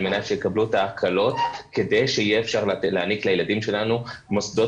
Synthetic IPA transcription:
lmenatʃejekablutaːkʰalo̞tked̪ejʃeijeːfʃaʁleːniklajeladimʃe̞lanumosd̪o̞

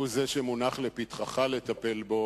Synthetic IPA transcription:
uzeʃemunaχlepit̪χaχalet̪ape̞lbo̞

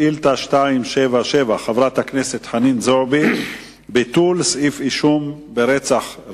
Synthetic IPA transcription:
ilt̪aʃtaimʃevaʃevaχavɾat̪hakneset̪ħaninzobi | bit̪ulsifiʃum | beɾet͡saχ

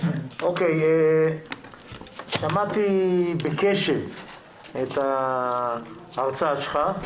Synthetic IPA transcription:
okeje | ʃamat̪ibekeʃev | et̪a | ʁt͡saʃeχa

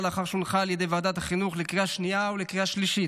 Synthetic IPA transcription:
laχaʁʃunχaːljed̪ejvaːd̪at̪aχinuχlekʁiaʃniaolekʁiaʃliʃit

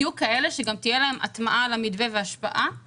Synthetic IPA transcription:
jukaʔe̞le̞ʃeɡamt̪ijelaɦemʔa̰t̪maʔalamid̪veveaʃpa̰ʔa

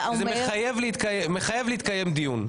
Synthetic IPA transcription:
azemeχajevleit̪kajemeχajevleit̪̚kajemd̪ijun

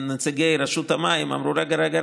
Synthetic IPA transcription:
net͡seɡejɾaʃut̪hamajima̰mɾuɾaɡaɾaɡaɾ

